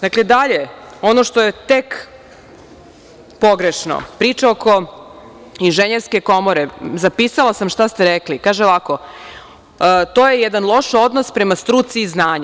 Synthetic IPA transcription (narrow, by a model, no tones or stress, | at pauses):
d̪akled̪aʎeo̞noʃt̪ojet̪ek | po̞ɡɾeʃno̰pɾiːt͡ʂaoko̞ | inʒeɲeɾske̞ko̞moɾezapisalˠasamʃt̪ast̪eɾeklikaːʒelako̞ | t̪ojejed̪anlˠo̞ʃo̞d̪nospɾe̞mast̪ɾut̪siːznaːɲ